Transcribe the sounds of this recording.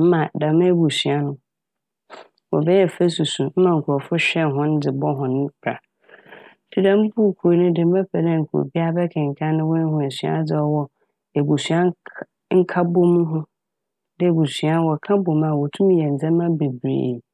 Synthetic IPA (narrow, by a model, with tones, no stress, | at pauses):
m̩˦mã˨da˨mɛ̃˦bu˨sɥa˦nʊ̃˦ | wɔ̰˨bɛ˦jɛ˦˨fe˦su˨sũ˨m̩˦mã˨ŋ̩˨kʰu˨ɔ˨fʊ˦ɕᶣɛ˦˨ɦʊ̃˦n˦dɪ˨bɔ˦ɦʊ̃˨ñ˦bʰɾa̰˨˦ | tʰi˨dã˦m̩˦pʰu˦˨kʰu˨o˨nʊ̃˦dɪ˨m˦ma˦pʰɛ˨dɛ̃˦˨ŋ̩˨kʰṵ˨bi˦a˦bɛ˦kʰɛ̃˨ŋ̩˨kʰã˦nɪ̃˦wɔ̃˦n˦hʊ̃˦ɛ˨sɥa̰˦d͡zɪ˦ɔ˦wɔ˦ | e˨bu˨sɥa˦ | ŋ̩˦kʰa˦bo˦mʊ̃˦ɦʊ̃˦ | dɪ˦˨bu˨sɥa˦wɔ˨kʰã˦bo˨mã˨wɔ˨tʰũ˦m˦jɛ˨n̩˨d͡zɛ̃˦mã˦be˨bɾḛ˨